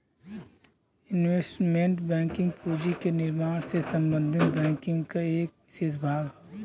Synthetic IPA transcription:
ɪnʋeːsʈmẽɳʈbɛ̃ːŋkɪ̃ŋɡpuːd͡ʒikenɪɾmaːɽ̃sesə̃mbə̃nd̪ʱɪt̪bɛ̃ːŋkɪ̃ŋɡkaeːk̚ɪseːt̪bʱaːɡɦo

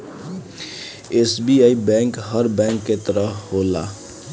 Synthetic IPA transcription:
esbiajbɛ̃ŋkɦəɾbɛ̃ŋkːet̪ɾʌɦɦola̰

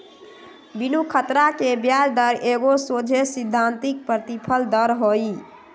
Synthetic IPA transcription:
binukʰət̪ɾakebjaɾd̪əɾʔeɡosod͡ʒʱesid̪ʱːant̪ik̚pɾət̪ipʰəld̪əɾɦoj

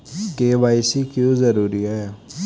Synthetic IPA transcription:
keːʋaːɪsikjõːzəɾuːɾiaɛ

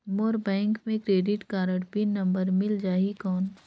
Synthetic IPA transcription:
moːɾbɛ̃ːŋkmẽkɾeːɖɪʈkaːɾəɽpinːɐ̃mbəɾmɪld͡ʒaːikɔːn

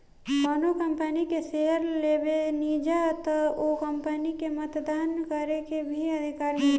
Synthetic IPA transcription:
maːnokɐ̃mpənikeseɦəɾleːbeniːd͡ʒat̪okɐmpənikemət̪d̪aːnkəɾekebʱiɐd̪ʱɪkaːɾmẽ

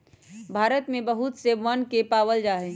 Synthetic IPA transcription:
bʱaːɾət̪mẽbəɦut̪seʋənkepaːʋəld͡ʒaːɦe

